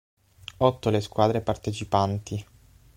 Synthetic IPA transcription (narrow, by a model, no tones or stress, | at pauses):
ɔt̪ːoleskwaːd̪ɾepart̪et͡ʃipant̪i